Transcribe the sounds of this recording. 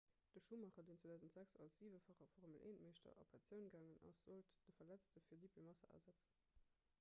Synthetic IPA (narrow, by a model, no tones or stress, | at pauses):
d̥əʃuːmɑχɐdeːnt͡swoːdæːʊzən̩tz̥æksɑ̰lsz̥iːvəfɑχɐfɔːʁʁməlʔeːntmeɪʃtɐ̰ʔɑ̰pʰɛt͡sjəʊnɡaːŋənɑ̰sz̥oltd̥əfɐlæt͡stəfiːɐliːpʰemɑsɐ̰ʔæ̰ɐzæt͡sə